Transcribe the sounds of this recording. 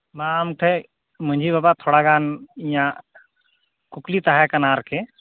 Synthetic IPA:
mãmkʰe | mʊ̃ɲd͡ʒʱibabat̪ʰoːɽaɡaːnijã | kʊklit̪aɦɛkɐnaːɾkʰe

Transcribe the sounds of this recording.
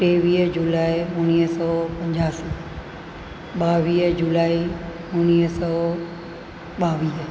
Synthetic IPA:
ʈeːʋiːɦd͡ʑulaːiʊniːɦsɔːpɐ̃ɲd͡ʑaːsiː | ɓaːʋiːɦd͡ʑulaːi | ʊniːsɔː | ɓaːʋiːɦ

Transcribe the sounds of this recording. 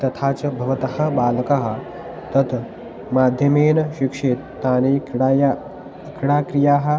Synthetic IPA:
t̪ɐt̪ʰaːt͡sɐbʱɐʋɐt̪ɐhɐ̆baːlɐkaɦɐ̆ | t̪ɐt̪ | maːd̪ʱjɐmeːnɐʃikʂeːt̪ːaːneːɽj | kɽaːkɾijaːɦɐ̆

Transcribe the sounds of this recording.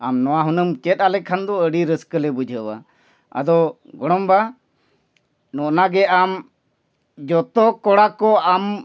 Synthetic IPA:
amnɔwaɦunəmkɛt̪̚ˀalɛkʰand̪ɔəɽiɾəskəlɛbud͡ʒʱəwa̰ | a̰d̪ɔ | ɡɔɽ̃ɔmba | nɔʔnaɡɛʔam | d͡ʒɔt̪ɔkɔɽakɔam

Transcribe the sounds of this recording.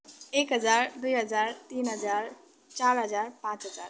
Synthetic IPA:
ekɦəd͡zaɾd̪ujɦəd͡zaɾt̪iːnɦəd͡zaɾ | t͡ʃaɾɦəd͡zaɾpãt͡sɦəd͡za̰ɾ

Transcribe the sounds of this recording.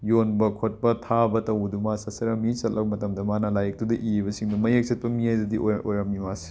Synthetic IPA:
jonbɐkʰot̚pɐtʰabɐtɐwdumasɐsɐɾɐmit͡ʃɐlɐbɐmɐtɐmdɐmanalajɐk̚tudɐʔibɐsiŋdɐmɐjek̚sɐt̚pɐmiajdɐdiʔoʔojɾɐmimasi̥

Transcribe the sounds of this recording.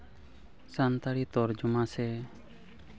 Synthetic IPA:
sant̪aɽit̪ɔɾd͡ʒumasɛ

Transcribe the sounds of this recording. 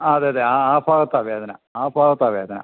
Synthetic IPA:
aɐðeːɐðeːaaːfaːɣɐt̪ːaːʋeːðɐna̰aːfaːɣɐt̪ːaːʋeːðɐnã̰

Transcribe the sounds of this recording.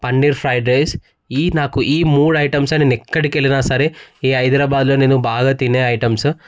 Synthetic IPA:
pɐɳɖiɾpʰɾɐjɖɾejs | iːnaːkuʔiːmuːɽɐjʈɐmsɐneːnɛkːɐɽikeːlinaːsɐɾeiːɐjd̪ɾaːbaːd̪loːneːnubaːɡaːt̪ineːɐjʈɐms

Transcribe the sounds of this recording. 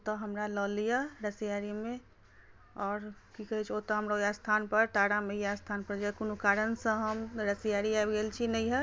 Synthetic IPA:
ot̪ɔɦəmɾalɔːlijaɾəsijaɾimẽ | ɔːɾkikəɦit͡ʃʰot̪ɔɦəmɾaojast̪ʰanpəɾʈaɽameijast̪ʰanpəɾd͡ʒəkonukaɾənsə̃ɦəmɾəsijaɾiajbɡelt͡ʃʰinəĩɦɛ

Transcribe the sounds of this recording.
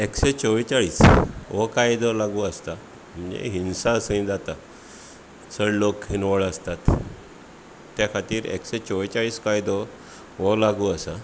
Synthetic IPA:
ekɕet͡sɔʋit͡saɭiːsʋɔkajd̪ɔlaɡuːəst̪a | m̤əɳd͡ʑḛɦinsaəsə̃ĩd͡zat̪a | səɽlokɦinʋəɭəst̪at̪ | jakʰat̪iːɾḛkɕet͡sɔʋit͡ɕaɭiːskajd̪ɔ | ʋɔlaɡuəsa

